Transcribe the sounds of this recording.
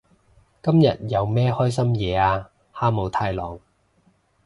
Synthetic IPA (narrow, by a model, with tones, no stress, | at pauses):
kɐ˥mjɐ˨t̚jɐ˨˧wmɛː˥hɔː˥jsɐ˥mjɛː˨˧aː˧ | haː˥mo˨˧wt̪ʰaː˧jlɔ̰ː˨˩ŋ